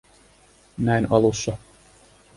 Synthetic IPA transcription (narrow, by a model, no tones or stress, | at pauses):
næinɑlusːɑ